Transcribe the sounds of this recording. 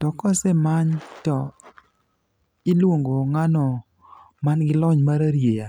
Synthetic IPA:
tɔkɔsɛmaɲtɔ | ɪlwoŋɡoŋanɔ | manɡɪlɔɲmaɾaɾjeja

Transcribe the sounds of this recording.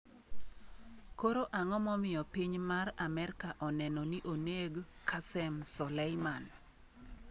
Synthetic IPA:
koɾoʔaŋɔmɔmɪjɔpiɲmaramɛɾkaʔɔnɛnɔniʔoneɡkʰasɛmsɔlɛjman

